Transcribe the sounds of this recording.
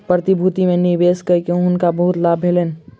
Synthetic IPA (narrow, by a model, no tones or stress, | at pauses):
pɾət̪ibʱut̪imẽnibeskəikeʊnkabəɦʊt̪labʱelen